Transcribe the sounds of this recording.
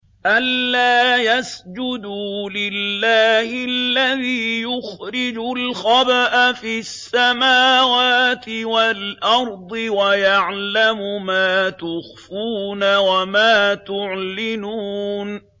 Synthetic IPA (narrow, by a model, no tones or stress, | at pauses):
ʔalːaːjasd͡ʒʊd̪uːlɪlːaːhɪlːaðiːjʊxɾɪd͡ʒʊlxɑbaʔafiːsːamaːwaːt̪ɪwalʔɑɾˤd̪ˤɨwajaʕlamʊmaːt̪ʊxfuːnawamaːt̪ʊʕlɪnuːn